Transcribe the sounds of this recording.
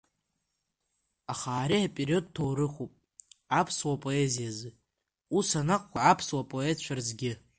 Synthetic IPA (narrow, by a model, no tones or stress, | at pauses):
aχaːɾiapʼeɾio̞d̚tʰowɾɨχʷupʼ | apʰswapʼo̞ezijazɨ | usanaqʷʼkʷʰaʕapʰswapʼo̞etʰt͡ʃʷʰᶣarzɡʲɪ